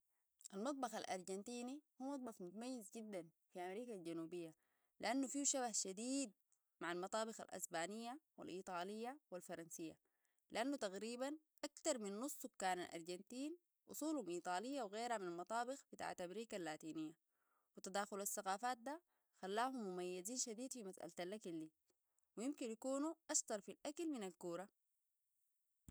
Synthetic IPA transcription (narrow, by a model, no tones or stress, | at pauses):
ʔalmɑt̪̚ˤbɑxalʔɑ̰ɾˤɟant̪iːnihuːmɑt̪̚ˤbɑxmʊt̪amajːizɟid̪ːan | fiʔamɾiːkald͡ʒanuːbijːa | lḭʔanːufiʃaβahʃad̪iːd̪̚ | maʕalmɑt̪ˤɑːbɪxa̰lʔa̰sbaːnijːawa̰lʔiːt̪ˤɑːlijːawalfɑɾˤɑnsijːa̰ | liʔanːut̪aɣɾiːban | ʔakt̪ɑɾˤminːʊsˤːukːaːnalʔɑ̰ɾˤd͡ʒant̪iːn | ʔʊ̰sˤuːlhumʔiːt̪ˤɑːlijːawɣeːɾhaminalmɑt̪ˤɑːbɪxb̥it̪a̰ːʕat̪ːamɾiːkalːaːt̪iːnijːa | wit̪ad̪aːxulasːaɣaːfaːt̪̚d̪a | xalːaːɦumːumajːaziːnʃad̪iːd̪fimasʔa̰lt̪alʔakilːi | wijɪmkinjakuːnuʔɑʃt̪ɑɾˤfilʔakalminalkuːɾˤɑ